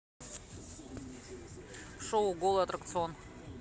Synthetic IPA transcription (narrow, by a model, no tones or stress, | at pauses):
ʂowɡolˠɐt̪ɾɐk̚t̪sɨon